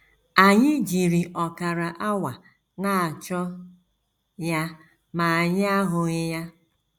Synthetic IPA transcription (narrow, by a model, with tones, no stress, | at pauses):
a˨ɲɪ˦d͡ʒi˨ɾi˨ʔɔ˨ka˨ɾa˨ʔa˦wa˨ | na˦a˨t͡ʃɔ˦ | ja˦ | ma˨a˨ɲɪ˦a˦ɦʊ˨ɣɪ˦ja˦